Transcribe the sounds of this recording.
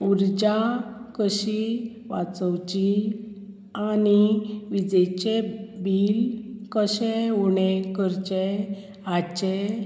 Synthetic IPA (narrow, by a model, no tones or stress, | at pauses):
uɾd͡ʑakəɕi | ʋa̰t͡səwt͡ɕi | aniʋid͡ʑɛt͡ɕebilkəɕɛuɳekəɾt͡ɕe | at͡ɕɛ